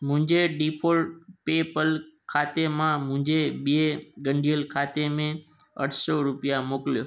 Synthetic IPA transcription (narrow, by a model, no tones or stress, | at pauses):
mʊ̃d͡ʒeɖipʰolʈ̚pepəlkʰat̪emãmʊ̃d͡ʒebeɡəɳɖʱijəlkʰat̪emẽ | ə̰ʈʰsoɾʊpjamokljoː